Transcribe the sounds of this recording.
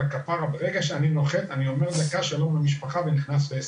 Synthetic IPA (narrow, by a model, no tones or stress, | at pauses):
akapaʁabeʁeɡaʃeaninoχet̪anio̞meʁzekaʃelomlamiʃpaχaveniχnasbes